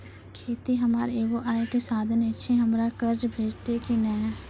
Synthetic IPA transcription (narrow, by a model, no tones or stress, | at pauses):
kʰeːt̪iɦəmaːɾeːʋoʔaːekesaːd̪ʱənɪʃʰẽɦəmɾakəɾd͡ʒbʱeːd͡ʒt̪ekinɛː